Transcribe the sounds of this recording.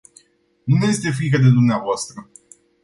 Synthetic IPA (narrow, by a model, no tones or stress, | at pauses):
nuveest̪e̞f̬ɾik̬əd̪e̞d̪umneavoast̪ɾə